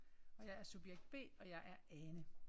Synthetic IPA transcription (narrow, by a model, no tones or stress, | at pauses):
ɒ̽jɑ̈ɪæɐsub̥jeɡ̥̚d̥̚b̥e̝̰ːɒ̽jɑ̈ɪʔæɐɛnə